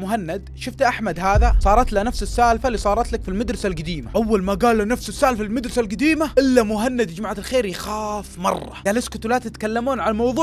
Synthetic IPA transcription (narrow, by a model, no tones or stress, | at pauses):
mʊɦanːad̪ʃʊft̪ʔaħmad̪haːðasˤɑːɾˤɑt̪lanafsɪsːaːlfaliːsˤɑːɾˤɑt̪lakfilmad̪ɾɪsalɡad̪iːmaʔawːalmaɡaːlːanafsɪsːaːlfalmad̪ɾɪsalɡad̪iːmaʔɪlːamʊɦanːad̪ɪd͡ʒmaʕt̪ɪlxeːɾjxaːfmɑ̰rˤːɑ̰ɡaːlɪskʊt̪laːt̪ɪt̪kalːamuːnʕalamɑwðˤuː